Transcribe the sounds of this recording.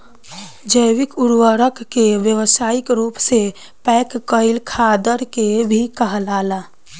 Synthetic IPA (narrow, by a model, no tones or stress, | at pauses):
d͡ʒəjwɪkʊɾwəɾəkkeʋjəwsaːɪkɾuːpse | pɛːkkəɪlkʰad̪əɾkebʱikəɦəlaːla